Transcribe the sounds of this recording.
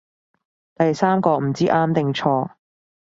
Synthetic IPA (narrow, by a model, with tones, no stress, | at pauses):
t̪ɐ˨jsaː˥mkɔː˧m̩˨˩t͡siː˥ʔaː˥mt̪ɪ˨ŋt͡ʃʰɔː˧